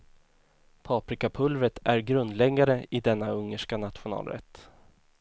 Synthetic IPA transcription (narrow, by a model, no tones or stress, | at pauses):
pʰɑːpɾɪkapʰɵlvət̪æɾɡɾɵnd̪lɛɡaɾəɪd̪ɛnːaɵŋːəʂkanat̪ɧʊnɑ̰ːlɾɛ̰t̪ː